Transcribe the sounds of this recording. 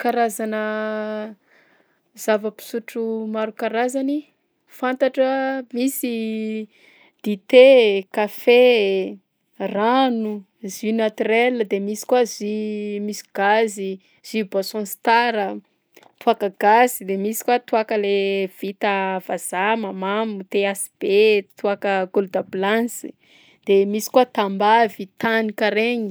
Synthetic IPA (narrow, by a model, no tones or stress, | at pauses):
kaɾazanə | zavəpi̥suʈ͡ʂumaɾukaɾazani | fant̪aʈ͡ʂəmisi | d̪̥it̪ekafe | ranu | zinat̪rɛlːəd̪emisi̥kwazimisi̥ɡ̥azi | z̥ibosɔ̃nst̪aɾə | t̪uakəɡ̥azid̪emisi̥kwat̪uakəlev̥it̪əv̥az̥amamamut̪easi̥b̥et̪uakəɡulud̪abilansi̥ | d̪̥emisi̥kwat̪ambavit̪anikaɾeɲi